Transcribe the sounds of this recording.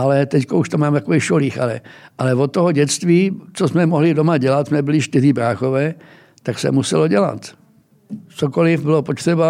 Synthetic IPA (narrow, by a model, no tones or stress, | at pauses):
ʔalɛt̪ɛckouʃt̪omaːmt̪akoviːxʃoliːxalɛ̰ʔalɛvot̪ːoɦoɟɛt͡st̪viːt͡sosmɛmoɦlɪdomaɟɛlat̪smɛbɪlɪʃt̪ɪziːbɾaːxovɛː | t̪aksɛ̰musɛloɟɛla̰t̪ | t͡soko̞lɪfbɪlopot̪r̥ɛba